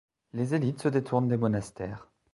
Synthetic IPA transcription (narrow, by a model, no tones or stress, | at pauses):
lezelit̪səd̪et̪ʰuʁnd̪emɔnast̪ɛːʁ